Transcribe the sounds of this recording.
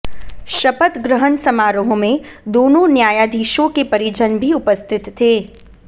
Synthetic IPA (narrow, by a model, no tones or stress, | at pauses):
ʃɐpət̪ɡɾəɦənsɐmaːɾoɦõmẽd̪oːnõnjaːjad̪ʱiːʃõkepɐɾid͡ʒənbʱiʊpəst̪ʰɪt̪ːʰeː